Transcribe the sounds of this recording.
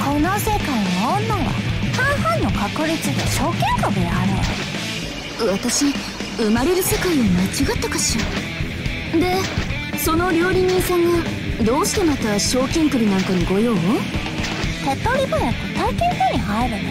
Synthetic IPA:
kʰonose̞kainoõnːaɡa̰hãɰ̃hãnːo̞kakɯ̟ɾʲit͡sɨd̪eɕo̞ːkẽŋkɯd̪eaɾɯ | βat̪aɕi | ɯ̟maɾe̞ɾɯ̟se̞kaiβamat͡ɕiɡat̪ːakaɕia | d̪e̞ | so̞no̞ɾʲo̞ːɾʲiɲiːsãŋɡa | d̪o̞ːɕi̥t̪e̞mat̪aɕo̞ːkʲẽ̞ŋkɯ̟ɾʲinãŋkaɲ̟iɡo̞joː | t̪et̪ːoɾʲibɯ̟nett̪aikʲẽnt̪ɯɲ̟iɦaiɾɯ̟

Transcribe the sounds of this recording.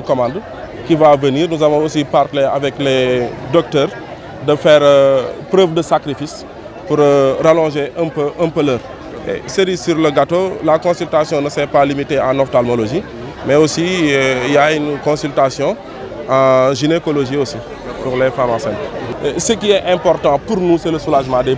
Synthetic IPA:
nkɔmãnd | kivavəniːɾnuzavɔ̃osipartleavɛklɛdɔk̚təːɾ | dəfɛːɾpɾəːvdəsakɾifis | puɾɾalɔ̃ʒeə̃pəʔə̃mpələːɾ | ḛsəɾisyɾləɡatolakɔ̃syltasjɔ̃nəsɛpalimiteãnɔftalmoloʒi | mɛosiijaynkɔ̃syltasjɔ̃ | ãʒinekoloʒiosi | puɾlɛfamãsɛnsəkiɛʔɛ̃mpɔrtɑ̃puɾnusɛləsulaʒmɑ̃dɛ

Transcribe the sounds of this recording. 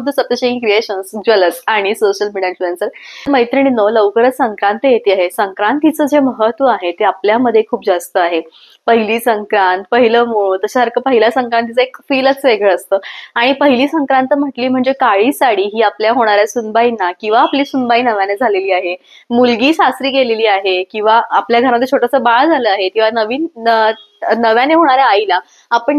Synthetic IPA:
p̚d̪əsəp̚t̪əɕə̃ĩkɾieɕənsd͡ʑələtaɽ̃isoɕəlmiɽenfuɾensəɾməɦjt̪ɾəɽ̃inələʋkəɾəsəŋkɾãnt̪əjet̪iːaɦesəŋkɾãnt̪ːit͡səːd͡zeməɦət̪ʋəaɦet̪eapljaməd̪ʱːjekʰuːpd͡zast̪əaɦe | pəɦiliːsəŋkɾãnt̪̚pəɦiləmoɭut̪əɕaɦəɾkəpəɦilasəŋkɾãnt̪ːit͡səekfiːlət͡sʋeɡəɭəst̪əːaɽ̃ipəɦiliːsəŋkɾãnt̪əm̤əʈliːm̤əɳd͡zekaɭiːsaɽiːɦiːapljaɦoɽ̃aɾjasunbainːakĩw̃ʋaːpliːsunbainəʋjaned͡zʱaleliːaɦe | mulɡiːɕast̪ɾiːkeleliːaɦekĩw̃ʋaapljaɡʱəɾaməd̪ʱːet͡ɕʰoʈəsəbaɭd͡zʱaləːaɦekĩw̃ʋanəʋiːn | nəʋjaneɦoɽ̃aɾjaːila | apəɳ

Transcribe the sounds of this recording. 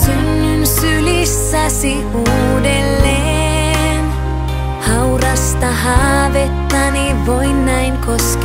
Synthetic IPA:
synːynsylisːæsi | uː | delːe | n | hɑwrɑst̪ɑɦɑːʋet̪ːɑni | ʋoinːæjŋkosk

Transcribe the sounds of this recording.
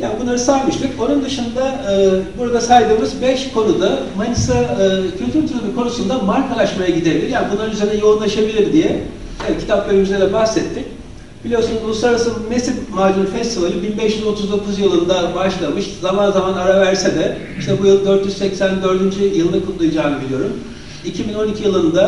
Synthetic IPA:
ja̰ːbunˠaɾɯsajmɯʃt̪ɯko̞nund̪ɯʃɯnd̪aɯːbuɾad̪asajd̪ɯːmɯzbɛʃkʰo̞nud̪amanɯsaːcʰylʲt̪ʰyɾt̪ʰuɾubikʰo̞nusund̪amaɾkʰalˠaʃmajaɟid̪e̞bilʲiɾjaːnbunanyzenɛjo̞unlˠaʃabilʲiɾd̪ijɛ | ecʰi̥t̪ʰapveɾimyzʲeɾɛbahsɛt̪ʰːic | b̥ilʲijo̞ɾsunuzulˠuslˠaɾaɾasɯmesivmaːd͡ʒ̪uɾfɛst̪ʰivalʲɯbinbɛʃjyzo̞t̪ʰuzd̪o̞kʰuzjɯlˠɯnd̪abaʃlˠamɯʃzamanzamanaɾavæɾsɛd̪ɛ | iʃt̪ʰɛbujɯlˠd̪øɾt̪jyzsɛcsænd̪ø̞ɾd̪ynd͡ʒyjɯlˠnakʰut̪lˠujad͡ʒaːnɯbilʲijo̞ɾum | icʰibino̞nicʰijilˠɯnd̪a

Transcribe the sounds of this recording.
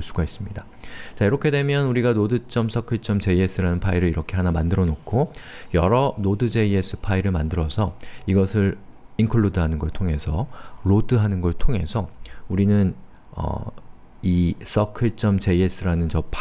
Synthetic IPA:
ɭs͈ʰuɡais͈ɯmɲida | t͡ɕaiɾʌkʰe̞de̞mjʌnuɾiɡanodɯt͡ɕ͈ʌms͈ʌkʰɯit͡ɕ͈ʌmt͡ɕe̞ie̞s͈ɯɾanɯnpʰaiɾɯɭiɾʌkʰe̞ɦanamandɯɾʌnokʰo | jʌɾʌnodɯd͡ʑe̞ie̞s͈ʰɯ̥pʰaiɾɯɭmandɯɾʌsʰʌiɡʌsʰɯɾ | inkʰɯɭːodɯɦanɯnɡʌɭtʰoŋe̞sʰʌɾodɯɦanɯnɡʌɭtʰoŋe̞sʰʌuɾinɯn | ʌ̰ | is͈ʌkʰɯt͡ɕ͈ʌmt͡ɕe̞ie̞s͈ɯɾanɯnt͡ɕʌpʰ

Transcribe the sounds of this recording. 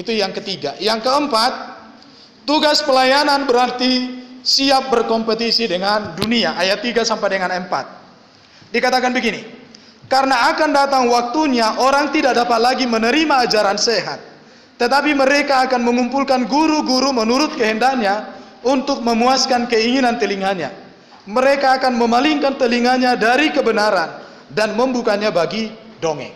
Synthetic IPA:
it̪ujaŋkət̪iɡa̰jaŋkəəmpat̪̚ː | uɡaspəlajananbəɾart̪isiap̚bərkɔmpət̪isidəŋanduniaʔajat̪ːiɡasampajdəŋanəmpa̰t̪̚ | dikat̪akanbəɡini | kaɾnaːkandat̪aŋwak̚t̪uɲaʔoɾaŋt̪idak̚dapat̪̚laɡimənəɾimaːd͡ʒaɾanseɦa̰t̪̚ː | ət̪apiməɾekaːkanməŋumpulkanɡuɾuɡuɾumənuɾʊt̪̚kəɦəndaɲa | unt̪ʊk̚məmuaskankəiŋinant̪əliŋaɲa̰ | məɾekaːkanməmaliŋkant̪əliŋaɲadaɾikəbənaɾan | danməmbukaɲabaɡidoŋɛ̰

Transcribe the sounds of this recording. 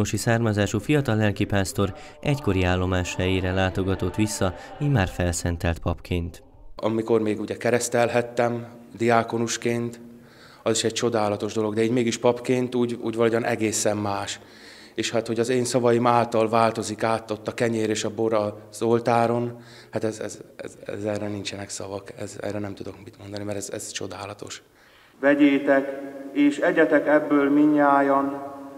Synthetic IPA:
oʃisaːrmɒzaːʃufijɒt̪ɒlːɛlkipaːst̪o̞ɾɛcko̞ɾiaːlːo̞maːʃhɛjeːɾɛlaːt̪o̞ɡɒt̪o̞t̪ʋisːɒiːmaːrfɛlsɛnt̪ɛlt̪pɒpkʰeːnt̪ | ɒ̰miko̞rmeːɡuɟɛkɛɾɛst̪ɛlɦɛt̪ːɛm | d̪iaːko̞nuʃkeːnt̪ | ɒziʃɛc̚t͡ʃo̞d̪aːlɒt̪o̞ʒd̪o̞lo̞ɡd̪ɛiːɟmeːɡiʃpɒpkeːnt̪uːɟṵːɟvɒloːɟɒnɛɡeːsɛmːaːʃ | eːʃhat̪ho̞ɟɒzeːnsɒvɒjimaːlt̪ɒlvaːlt̪o̞zikaːt̪ːo̞t̪ːɒkɛɲeːɾeːʃɒboɾɒz̥o̞lt̪aːɾo̞n | hat̪ɛzɛ̰zɛ̰zɛ̰zɛːrɛnint͡ʃɛnɛksɒvɒkɛ̰zɛ̰ːrɛnɛmt̪ud̪o̞kmit̪mo̞nd̪ɒnimɛɾɛzɛ̰zt͡ʃo̞d̪aːlɒt̪o̞̰ʃ | ʋɛɟeːt̪ɛkeːʃɛɟɛt̪ɛkɛbːøːlmiɲːaːjɒn

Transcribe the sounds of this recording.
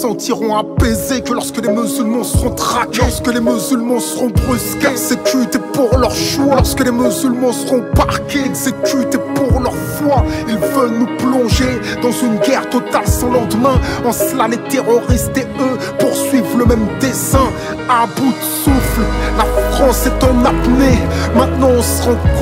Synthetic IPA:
sɑ̃t̪iʁɔ̃apezekəlɔʁskəlemyzylmɑ̃səʁɔ̃t̪χakɔʁskəlemyzylmɑ̃səʁɔ̃bʁyskʲezekʲyt̪epuʁlœʁʃwaɔʁskəlemyzylmɑ̃səʁɔ̃baʁkʲeɛɡzekʲyt̪epuʁlœʁfwailvœlnuplɔ̃ʒe | d̪ɑ̃zynɡʲɛʁt̪ɔt̪alsɔ̃lɑ̃d̪mɛ̃ɑ̃səlalet̪eʁɔʁist̪eø | puʁsɥivləmɛmd̪esɛ̃ | abud̪sufllafχɑ̃sɛt̪ɑ̃napnemɛ̃t̪nɑ̃ɔ̃səʁɔ̃

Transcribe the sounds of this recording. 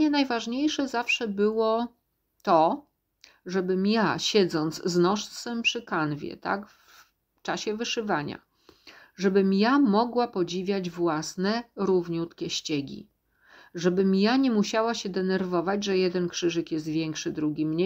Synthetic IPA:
ɲɛnajvaʐɲejʂɛzafʂɛbɘwɔ | t̪ɔ | ʐɛbɘmjaɕɛd̪zɔnd̪zznɔʂsɛmpʂɘkanvʲjɛ̰t̪a̰k | f | t͡ʂaɕɛvɘʂɘvaɲa̰ | ʐɛbɘmjamɔɡwapɔd͡ʑivʲjad͡ʑvwasnɛɾuvɲut̪kʲɛɕt͡ɕɛɡʲḭ | ʐɛbɘmjaɲɛmuɕawaɕɛd̪ɛnɛɾvɔvad͡ʑʐɛjɛd̪ɛnkʂɘʐɘkjɛst̪vʲjɛŋkʂɘd̪ɾuɡʲimɲɛ

